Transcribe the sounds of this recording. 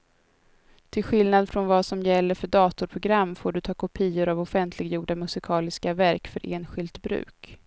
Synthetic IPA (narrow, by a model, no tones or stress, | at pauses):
t̪ʰɪlɧɪlnad̪fɾɔnvasɔmjɛlːəɾfœɖɑːt̪ʊɾpʰɾʊɡɾamːfoːɖɵt̪ʰɑːkʰʊpʰiːʊɾavɔfɛnt̪ʰlɪɡjuːɖamɵsɪkʰɑːlɪskavæɾkfœɾʔeːnɧɪlt̪bɾʉ̟̰ːk